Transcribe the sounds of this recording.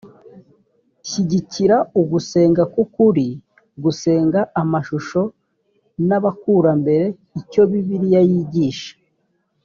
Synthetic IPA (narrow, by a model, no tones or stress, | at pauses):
çiɟiciɾauɡuse̞ːŋɡakukuɾi | ɡuse̞ːŋɡaːmaʃuʃo̞ | naβakuːɾambe̞ɾe̞ | ico̞βiβiɾijajiɟiːʃḁ